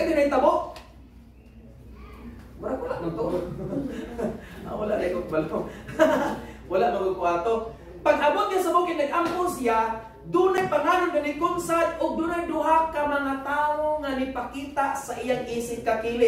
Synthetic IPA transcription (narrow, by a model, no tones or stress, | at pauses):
ad̪ɪnajt̪aboʔ | maɾawalaʔnat̪o | a̰walaʔnaikokbala | walaʔnaɡʊɡ̚kʊaːt̪o | paɡʔamot̪̚jasabokɪnaɡʔampʊsja | d̪ʊnajpaŋaːnʊnbanɪkʊnsajʔʊɡ̚d̪ʊnajd̪ʊɦakamaŋat̪aːoŋanɪpakiːt̪aʔsaʔɪjaŋisɪp̚kakilɪ